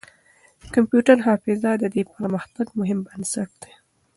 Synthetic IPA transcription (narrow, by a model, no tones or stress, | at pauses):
kampjuʈaɾɦɑfɪzad̪əd̪epəɾməxt̪aɡmʊɦɪmbənsaʈ̚d̪̥e̥